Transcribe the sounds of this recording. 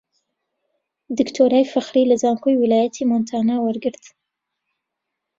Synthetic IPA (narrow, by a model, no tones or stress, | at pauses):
d̪ɨkt̪ʰoːɾaːjfaxɾilazaːŋkʰojwilaːjat̪ʰimont̪ʰaːnawaɾɡɨɾt̪